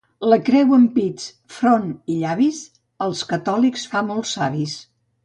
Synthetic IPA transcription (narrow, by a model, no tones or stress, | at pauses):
ləkɾɛwəmpit͡s | fɾoniʎaβis | əlˠskət̪ɔliksfamolˠsaβis